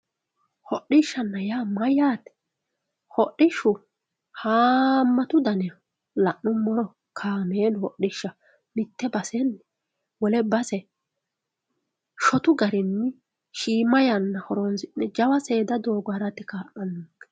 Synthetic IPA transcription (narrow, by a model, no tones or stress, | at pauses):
hɔʔːɪʃːɐnːɐjaːmɐjaːt̪ɛ̥ | hɔʔːɪʃʊ | haːmːɐt̪ʊd̪ɐnɛ | lɐʔːʊmɔɾɔ | kʰaːmeːnhɔʔɪʃːɐ | mɪt̪ːɛbɐsɛnːɪ | wɔlɛbɐsɛ | ʃɔt̪ʊɡɐɾɪnːɪ | ʃiːmɐjɐnːɐhɔɾonsɪnːɛd͡ʒɐwɐse̞ːd̪ɐd̪o̞ːɡʊaɾɐt̪ːɪkaːʔɐnːuːɡɛ̥